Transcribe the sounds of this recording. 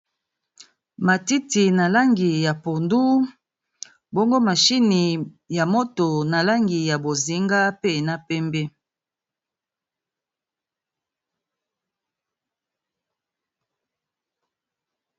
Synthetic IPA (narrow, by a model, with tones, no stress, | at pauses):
ma˨ti˦ti˨na˨la˦ŋɡi˨ja˨po˨ndu˦ | bo˦ŋɡo˦ma˨ʃi˦ni˨ | ja˨mo˦to˨na˨la˦ŋɡi˨ja˨bo˨zi˦ŋɡa˦pe˦˨na˨pɛ˦mbɛ˦